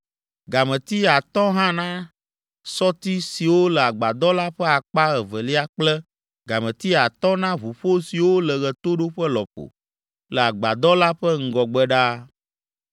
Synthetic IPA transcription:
ɡa˨mɛ̃˨t̪i˦a˨t̪ɔ˦ɦã˦nã˦ | sɔ˦t̪i˦si˨wo˦lə˨a˨ɡ͡ba˨d̪ɔ˦la˦ɸɛ˦a˨k͡pa˦ɣɛ˨vɛ˨li˦a˦k͡plɛ˦ | ɡa˨mɛ̃˨t̪i˦a˨t̪ɔ̃˦nã˦βu˨ɸo˦si˨wo˦lə˨ɣɛ˨t̪o˦ɖo˦ɸɛ˦lɔ̰˨ɸo̰˨ | lə˨a˨ɡ͡ba˨d̪ɔ˦la˦ɸɛ˦ŋ̩˨ɡɔ˨ɡ͡bɛ˦ɖa˦

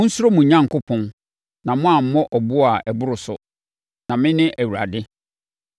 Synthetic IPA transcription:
mʊ̃˦n̩˦su˦ɾo˦mũ˨ɲã˦ŋ˨kʊ˦pʰɔ̃˦n | nã˨mʊ̃˦a˨m̩˦mɔ̃˦ʔɔ˨bʊ˦a˨ʔɛ˨bʊ˦ɾʊ˨sʊ˨ | nã˨mɪ̃˦nɪ̃˦ʔæ˨wu˨ɾa̰˨dɪ˦

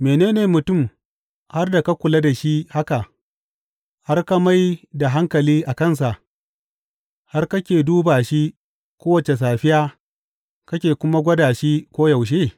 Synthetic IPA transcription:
meː˨neː˦neː˨mʊ˨tʊ˦˨m | ha˦rda˨ka˦kʷʊ˨la˦da˨ʃi˦ha˦ka˨ | ha˦rka˦ma˦jda˨ɦa˦ŋkɐ˨liː˦ʔa˨kɐ˦˨ns̬a˨ʔ | ha˦rkɐ˦kʲeː˨duː˦baː˨ʃi˦ | kʷoː˦wɐ˨t͡ʃe˨s̬aː˨ɸɪ˦jaː˦ | kɐ˦kʲeː˨kʷʊ˦ma˦ɡʷɐ˦daː˨ʃi˦kʷoː˦ja˨wʃ̬eː˦˨

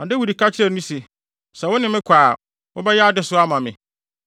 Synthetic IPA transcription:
ã˨dɪ˦wu˨di˨kʰa˦t͡ɕʰɪ˦ɾɛ˦˨nũ˦se˨ | sɛ˨wʊ˦nɪ̃˨mɪ̃˦kʰaː˨ | wʊ˦bɛ˦jɛ˦a˦dɪ˦sʊ˦a˦mã˨mɪ̃˨

